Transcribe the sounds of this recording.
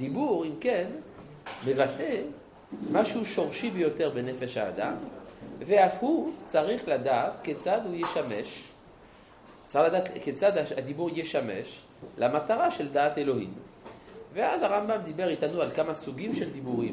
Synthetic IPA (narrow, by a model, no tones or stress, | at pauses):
d̪ibuʁimken | mevat̪e | maʃuʃo̞ʁʃibejo̞t̪eʁbenefeʃha̰ːd̪a̰mveafhut͡saʁiχlad̪aːt̪ket͡sad̪hujeʃameʃ | t͡saʁiχlad̪aːtket͡sad̪aad̪ibuʁjeʃamḛʃ | lamat̪aʁaʃeld̪aːt̪elo̞hḭm | veazaʁambamd̪ibeʁit̪anualkamasuɡimʃeld̪ibuʁim